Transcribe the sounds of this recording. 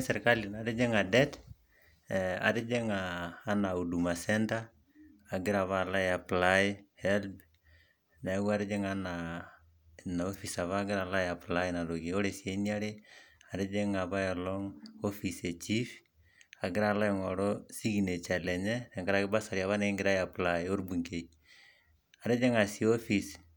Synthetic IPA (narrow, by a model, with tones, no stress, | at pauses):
sɛ˨ɾka˦li˨na˨ɾɪ˦d͡ʒɪ˦ŋa˨dɛ˦t | a̰˨ɾɪ˦d͡ʒe˦ŋaː˦na˨u˨du˨ma˨sɛ˦ntaː˦˨ | ɡɪ˦ɾa˨βa˦˨la˦ja˨pla˦ɪ˦hɛ˦lb | na˨˦ka˦ɾɪ˦d͡ʒɪ˦ŋa˦na | na˨o˦fi˨sa˨βa˦ɡɪ˦ɾa˨la˦ja˨pla˦ɪna˨lo˨ko˦ɾe˨sje˦nja˦ɾe˦a˨ɾe˦d͡ʒe˦ŋa˨βa˦ɛ˨lɔ˦ŋo˦fi˨se˨t͡ʃi˦f | a˨ɡɪ˦ɾa˨la˦ɪŋɔ˨ɾɔ˦si˦ki˨ne˨t͡ʃa˨lɛ˨ɲɛnɛ˨ŋɡa˨ɾa˦kɪ˦ba˦sa˨ɾja˨βa˦ne˦ŋɡɪ˨ɾa˦ja˨pla˨ɪo˦ɾbu˨ŋke˨ | a˨ɾe˦d͡ʒe˦ŋa˨sio˦fi˨s